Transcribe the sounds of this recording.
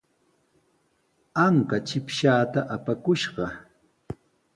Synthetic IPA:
aŋkat͡ʃɪpʃaːt̪aʔapakʊʃɢɑ

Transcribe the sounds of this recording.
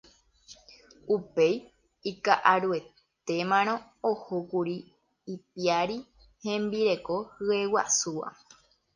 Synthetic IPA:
upe̞j | ikaʔaɾue̞ | t̪e̞mãñõ̞ | ohokuɾiː | p̚iaɾi | hẽ̞mbiɾe̞ko̞hɨe̞wa̰suʋa̰

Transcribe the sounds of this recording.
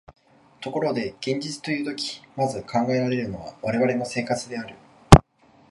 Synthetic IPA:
t̪o̞ko̞ɾo̞d̪e̞ɡ̥ẽ̞ɲd͡ʑit͡sɨ̥t̪o̞jɯ̟ːt̪o̞kʲi̥mazɨkʰãŋɡae̞ɾaɾe̞ɾɯ̟no̞β̞a̰βaɾe̞βaɾe̞mo̞se̞ːkat͡sɨd̪e̞aɾɯ̟

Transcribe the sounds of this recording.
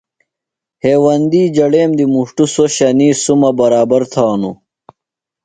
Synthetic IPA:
heːwɐnd̪iːd͡ʑɐɽeːmd̪imuʂʈusoɕɐniːsumɐbɐɾaːbɐɾt̪ʰaːnṵ

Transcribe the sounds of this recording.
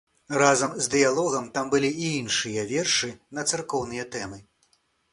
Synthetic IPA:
razɐmzd̪ɨjalˠɔɣɐmt̪ambɨlʲiʔiinʂɨjɐvʲɛrʂɨnɐt̪sarkɔwnɨjɐt̪ɛmɨ

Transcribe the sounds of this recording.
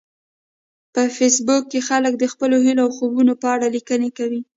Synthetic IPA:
pəfesbʊkːexalək̚d̪əxpəloɦiloawxobunopəaɽalikənekawi

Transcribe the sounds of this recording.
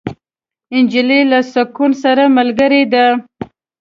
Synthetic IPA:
ɪnd͡ʒilelasakunsaɾamalɡəɾed̪a

